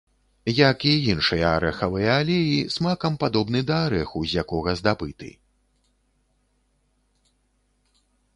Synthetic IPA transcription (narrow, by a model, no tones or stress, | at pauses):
jɐkiinʂɨjɐaɾɛxɐvɨjɐalʲɛjismakɐmpad̪ɔbnɨd̪ɐːɾɛxuzʲjakɔɣɐzd̪abɨt̪ɨ̰